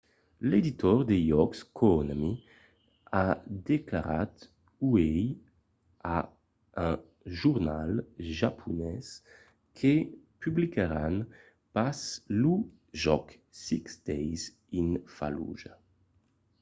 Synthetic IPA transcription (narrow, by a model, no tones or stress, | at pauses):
led̪it̪ɔʁd̪ejɔkskʰonami | ad̪eklaɾa̰t̪ | uej | a | ɛ̃ | ʒuʁna̰lʒapʰunɛs | kʰepyblikaɾan | paslu | ʒɔk | siksd̪̥ɛjz | infa̰lṵʒa